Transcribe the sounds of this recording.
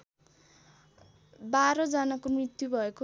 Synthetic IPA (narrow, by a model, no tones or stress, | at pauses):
baɾʌd͡zanakomrit̪jubʱʌeko